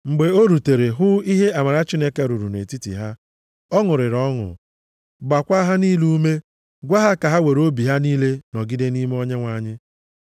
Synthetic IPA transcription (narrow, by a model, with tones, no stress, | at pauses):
ŋ͡m̩˨ɡ͡be˨o˦ɾu˨te˨ɾe˨ɦʊ˦i˦ɦe˦a˨ma˨ɾa˦t͡ʃi˦ne˦ke˦ɾu˨ɾṵ˨nḛ˨ti˦tḭ˨ɦa˦ | ɔ˦ŋʊ˨ɾɪ˨ɾɔ˦ŋʊ̰˨ | ɡ͡ba˨kʷa˦ɦa˦ni˦lu˦me˦ | ɡʷa˦ɦa˦ka˨ɦa˦we˨ɾo˦bi˨ɦa˦niː˦le˦nɔ˨ɡɪ˦de˦ni˦me˦ɔ˦ɲe˦ŋʷa˦ɲɪ˦